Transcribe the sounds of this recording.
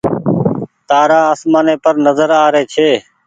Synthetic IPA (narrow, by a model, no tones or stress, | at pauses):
t̪aːɾaːaːsmaːneːpəɾnəzəɾaːɾeːt͡ʃʰeː